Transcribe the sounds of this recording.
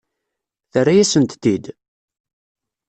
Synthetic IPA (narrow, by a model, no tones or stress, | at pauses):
θərːajæsənt̪t̪ːid̪